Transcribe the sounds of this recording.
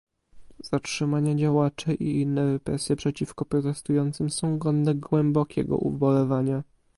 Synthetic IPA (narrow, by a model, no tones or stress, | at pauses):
z̥atʂɘmaɲad͡ʑawat͡ʂɛʔḭinːɛvɛpɾɛsʲjɛpʂɛt͡ɕifkɔpɾɔt̪ɛst̪ujɔnt̪sɘmsɔ̃w̃ɡɔnd̪ɛɡwɛmbɔkʲʰɛ̰ɡɔ̰ʔṵbɔlɛvaɲa